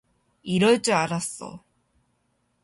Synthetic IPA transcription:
iɾʌɭt͡ɕ͈ɯaɾas͈ʌ̰

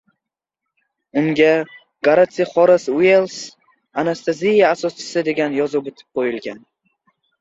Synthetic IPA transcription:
ʊŋɡʲa | ɡaɾat̪sijaχɒɾasuelˠs | anast̪ʰazʲijaːsɒst͡ʃʰɪ̥sɪd̪e̞ɡʲanjɒzɨbot̪ʰɪ̥p̚qʰojɪlˠɡʲan

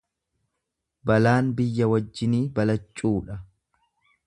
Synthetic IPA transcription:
bɐlaːnbɪjːɐwɐd͡ʒːɪniːbɐlɐt͡ʃʼːuːᶑɐ

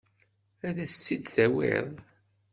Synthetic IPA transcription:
æðæsə̥t͡sːid̪θæwɪ̰ðˤ

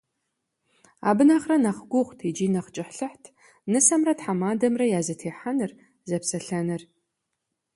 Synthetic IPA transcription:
a̰ːbɨnaχrɐnɐχɡʷʊχʷtʰid͡ʒiːnɐχt͡ʃʼɪħɬɨħtʰ | nɨsɐmrɐtħamaːdɐmrɐjaːzɐtʰeːħanɨr | zɐpsɐɬɐnɨr

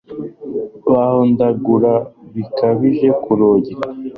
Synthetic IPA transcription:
βahondaɡuɾaβikʰaβiʒe̞kuɾoːɟeɾa

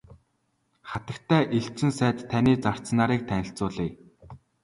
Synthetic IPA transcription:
χat̪ə̆kt̪ʰæːʔiɬt͡ɕɘ̆nsæːt̪t̪ʰːaniːt͡sar̥t͡snaːɾiːk̚t̪ʰænʲɪ̆ɬt͡sʊːɮiː

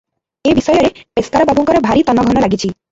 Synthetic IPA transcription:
ebisɔjɔɾepeskaɾɔbʱabɔŋkɔɾɔbʱaɾit̪ɔnɔɡʱɔnɔlaɡit͡ʃʰi

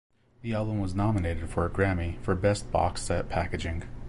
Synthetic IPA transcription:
ðiælˠbə̃mwʌznɑməneɪɾɨd̥fə˞ɨɡɹæmifə˞bɛs̚b̥ɑ̰ksɨt̚pʰækɨd͡ʒɪ̃ŋ

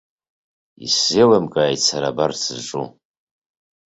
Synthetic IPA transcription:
ḭselamkʼaːjt͡sʰaɾabart͡sʰɨʈ͡ʂʼu

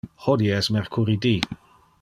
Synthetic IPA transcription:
hɔdiɛsmɛrkʰʊɾidiː

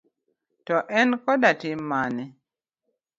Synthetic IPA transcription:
tɔʔɛnkɔdatimanɛ

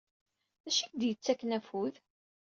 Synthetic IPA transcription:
æʃik̚d̪jət͡sːækːnæfuð

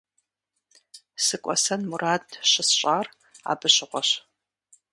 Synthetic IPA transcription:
sɨkʷʼɔ̰sɐnmuraːdʰɕɪsɕʼaːr | a̰ːbɨɕɪʁʷɔɕ

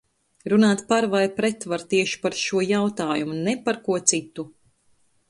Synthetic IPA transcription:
ɾunaːt̪paɾvajpɾɛt̪vaɾt̪iɛʃi̥paɾʃuɔjawt̪aːjumunɛpaɾkuɔt̪sit̪u

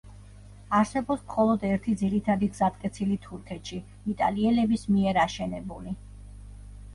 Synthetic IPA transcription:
aɾsɛbɔpsmχɔlˠɔd̪ɛɾt̪ʰid̪ziɾit̪ʰad̪iɡz̥at̪̚kʼɛt̪sʰilit̪ʰuɾkʰɛt̪ʃi | it̪ʼa̰liɛlɛbismiɛɾaʃɛnɛbuli

